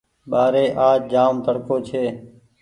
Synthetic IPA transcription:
ɓaːɾeːʔaːt͡ʃd͡ʒaːmt̪əɽkoːt͡ʃʰeː

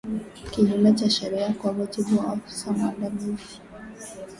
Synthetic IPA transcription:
kiɲimɛt͡ʃaʃɛɾiakwamud͡ʒibuwaafi̥samaɗamizi̥

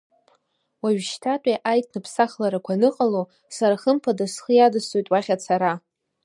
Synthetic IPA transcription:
waɥʃtʰatʷʼaʔajtʰʼnɨpʰsaχlaɾakʷʰanɨqʼalo | saɾaχəmpʰadasχəjadɨsojtʼwaχʲat͡sʰaɾa

